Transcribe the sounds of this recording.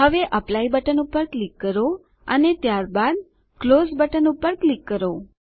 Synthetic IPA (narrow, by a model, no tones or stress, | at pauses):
ɦəʋeʔəplaibəʈənupəɾklikːəɾo | ənet̪jaɾbad̪̚ | klosbəʈənupəɾklikːəɾo